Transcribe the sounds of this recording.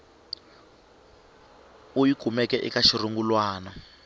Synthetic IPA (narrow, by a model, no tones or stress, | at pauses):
ujiɡ̥ʱumɛkɛʔḭkaʃiruŋɡulwaːna